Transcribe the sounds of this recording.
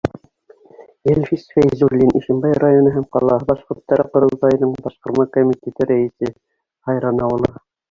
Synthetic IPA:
elʲfisfʲejzuɾlʲinʔiʃɘ̆mbɑjrajonɤɦæmqɑ̰lˠɑɦɤbɑʃqŏɾt̪ːɑɾɤqŏɾɤ̆lˠt̪ɑjɤ̆nɤɴbɑʃqŏɾmɑkomʲit̪ʲet̪ɘɾæɘ̆sɘ | hɑjɾɑnɑulˠɑ

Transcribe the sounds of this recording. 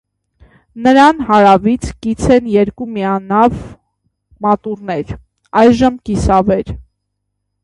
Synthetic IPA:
nəɾɑnhɑɾɑvit͡sʰkit͡sʰɛnjɛɾkumiɑnɑv | mɑt̪urnɛɾ | ɑjʒəmkisɑvɛɾ

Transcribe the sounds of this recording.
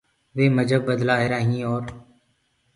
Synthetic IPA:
ʋeːməd͡ʒʱəbbəd̪laːɦeːɾaːɦĩːɔːɾ

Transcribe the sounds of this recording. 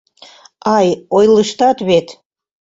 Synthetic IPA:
ɑjojləʃt̪ɑt̪βet̪

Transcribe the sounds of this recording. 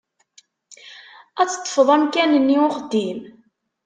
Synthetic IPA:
æt͡sːə̥t̪ˤːə̥fəðˤæmkænənːiʊχd̪im

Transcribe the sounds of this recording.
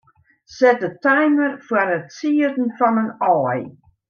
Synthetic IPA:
sɛtətɛjmərfwaɾətsiədn̩fɔnənɔːj

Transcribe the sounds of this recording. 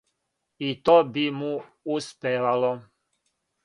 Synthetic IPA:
it̪obimuuspʲeʋalo

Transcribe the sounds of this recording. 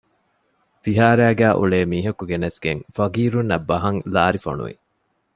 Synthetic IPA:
fiɦaːɾæːɡæːʔṵɭeːmiːɦɐkuɡenɐsɡeŋfɐɡiːɾunːɐbːɐɦɐŋlaːɾifo̰nṵʋḭ

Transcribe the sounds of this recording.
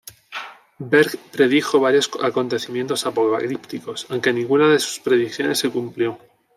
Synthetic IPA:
beɾkpɾe̞ð̞ixo̞β̞aɾjo̞sako̞nt̪e̞θimjẽ̞nt̪o̞sapo̞ka̰klipt̪iko̞sawŋke̞nĩŋɡunaðe̞su̥spɾe̞ðikθjo̞ne̞sːe̞kumpljo̞

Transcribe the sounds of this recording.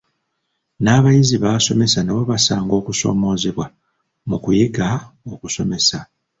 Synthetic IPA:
naːβajiziβaso̞me̞saneβo̞βasaːŋɡo̞ːkuso̞̰ːmo̞ːzeβwa | mukujiɡaokuso̞me̞sa

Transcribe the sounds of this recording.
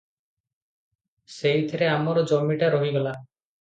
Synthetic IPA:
sejt̪ʰeɾeamɔɾod͡ʒɔmːiʈaɾoɦiɡɔla

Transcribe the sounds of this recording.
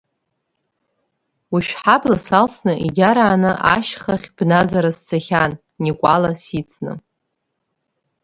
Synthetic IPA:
wiʃᶣħablasalsnɨʔiɡʲaɾaːnɨʔa̰ʃχaχʲb̥nazaɾast͡sʰaχʲan | nikʷʼalasit͡sʰnɨ̰

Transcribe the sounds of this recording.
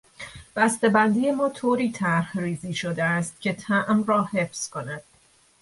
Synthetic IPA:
b̥æst̪e̞bænd̪ije̞mɒːt̪ʰoːɾiːt̪ʰæɾhriːziːʃod̪eæst̪̚cʰʲe̞t̪ʰæʔmrɒːhe̞fz̥kʰo̞næd̪̥

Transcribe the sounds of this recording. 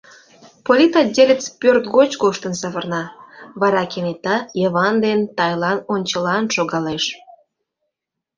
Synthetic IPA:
polʲit̪ɑdʲelʲət͡spʲørt̪ɡot͡ɕɡoʃt̪ənsəβərnɑβɑɾɑkenet̪ɑjəβɑnd̪ent̪ɑjlɑnonʲt͡ɕəlɑnʃoɣɑleʃ

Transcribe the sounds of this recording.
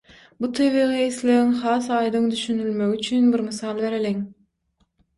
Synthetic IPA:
but̪ʰeβiːʁɯisleɾiŋχɑːsɑːjd̪ɯŋd̪yʃynylmøɡyt͡ʃʰynbiɾmɯθɑlˠβe̞ɾeliŋ

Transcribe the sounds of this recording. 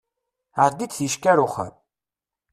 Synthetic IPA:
aɾd̪it͡sθiʃkæɾʊχə̰ɾ

